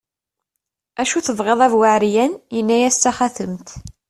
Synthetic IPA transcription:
æʃuθəvʁeðˤævwəʕɾjænjənːæjæst̪ːæχæθəmt̪

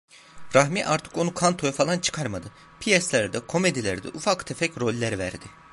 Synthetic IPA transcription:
ɾaɦmiʔaɾt̪ʰɯ̥ko̞nukʰant̪ʰo̞jafalˠant͡ʃʰɯ̥kʰaɾmad̪ɯ | pʰijɛslʲæɾd̪ɛkʰo̞me̞d̪ilʲæɾd̪ɛ̰ʔufakt̪ʰefɛcɾo̞lʲːæɾvæɾd̪ɪ

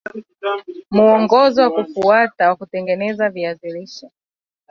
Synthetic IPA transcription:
muɔŋɡɔzɔwakufuatawakutɛŋɡɛnɛzaviaziliʃɔ

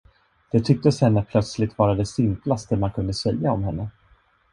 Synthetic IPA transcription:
d̪̥ɛt̪ʰʏk̚t̪əshɛnːəpʰlœt̪slɪt̪vɑːɾad̪ɛsɪmplast̪əmankʰɵnd̪əsɛljaɔmɦɛnːə

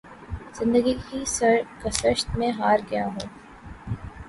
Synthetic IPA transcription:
z̥ɪ̃nd̪əɡikiskɐsəʃt̪mẽɦaːɾɡɐjaɦoː

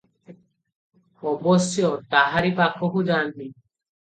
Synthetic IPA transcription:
ɔbɔsjɔt̪aɦaɾipakʰːokud͡ʒanti

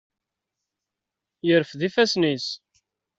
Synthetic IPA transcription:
jəɾfðifæsnis

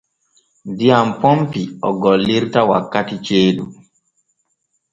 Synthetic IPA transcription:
dijampɔmpiɔɡɔlːiɾtawa̰kːatit͡ʃeːɗṵ

